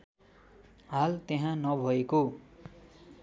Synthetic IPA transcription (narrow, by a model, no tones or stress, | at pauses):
ɦalt̪eɦãnʌbʱʌeko